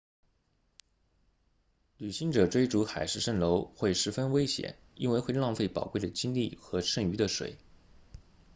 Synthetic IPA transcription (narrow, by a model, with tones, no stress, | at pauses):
ly˨˩ɕi˧˥ŋʈ͡ʂɤ˨˩ʈ͡ʂwe˥ɪʈ͡ʂu˧˥xa˨˩ɪʂɻ̩˥˧ʂə˥˩nlo˧˥ʊxwe˥˩ɪʂɻ̩˧˥fə˥nwe˥ɪɕjɛ̰˨˩˦n | i˥nwe˥˧ɪxwe˥˧ɪlɑ˥˧ŋfe˥˩ɪpɑ˨˩ʊkwe˥˩ɪd̪ə˩t͡ɕi˥ŋli˥˩xɤ˧˥ʂə˥˩ŋy˧˥d̪ə˧˨ʂwḛ˨˩˦ɪ